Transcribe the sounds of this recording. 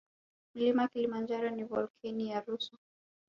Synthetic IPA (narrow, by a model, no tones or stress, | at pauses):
m̩limakilimand͡ʒaɾɔnivɔlkʰɛnijaɾusɔ